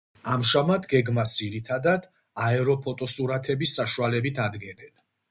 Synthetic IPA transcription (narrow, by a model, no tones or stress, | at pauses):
amʒamat̪ʰɡɛɡmasd̪ziɾit̪ʰad̪ad̪ | aɛɾɔpʰɔt̪ʼɔsuɾat̪ʰɛbisːaʃualɛbit̪ʰad̪ɡɛnɛn